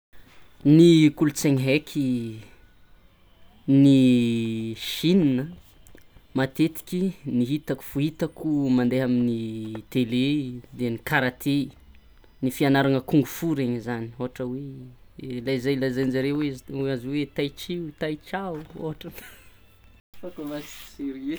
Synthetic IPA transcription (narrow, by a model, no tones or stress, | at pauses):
nikulut͡seŋɦekʲʰi | ni | ʃininə | mat̪et̪i̥kʲiniɦit̪aku̥fuit̪akumand̪eɦaminit̪eled̪enikaɾat̪ʰe | nifianaɾaŋəkuŋɡufuɾeɲzanioɦaʈ͡ʂəwe | lajzajlajzajnzaɾeeaziwet̪ajt͡ʃit̪ajt͡ʃauo̰ɦaʈ͡ʂam | akomat͡si̥siɾe